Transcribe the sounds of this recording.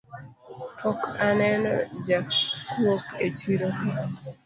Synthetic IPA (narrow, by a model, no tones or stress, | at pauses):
pʰɔkanɛnɔ̰d͡ʒawoket͡ʃiɾoke